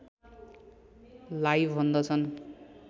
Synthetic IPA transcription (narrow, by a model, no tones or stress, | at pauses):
lajbʱbʱʌnd̪ʌt͡sʰʌn